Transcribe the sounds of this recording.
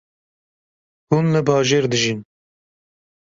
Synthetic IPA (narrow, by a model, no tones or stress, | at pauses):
hunlɨbɑːʒeːɾd̪ɨʒin